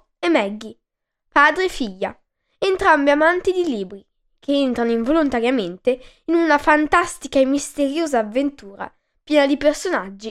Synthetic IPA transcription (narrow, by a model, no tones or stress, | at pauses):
emɛɡːi | paːd̪ɾefiʎːa̰ | ent̪ɾambeamant̪id̪iliːbɾi | kʰeent̪ɾanoiɱvolont̪aɾjament̪e | inunafant̪ast̪ikaemːist̪eɾjoːzaːvːent̪uːɾa̰ | pjɛːnad̪ipersonad͡ʒːi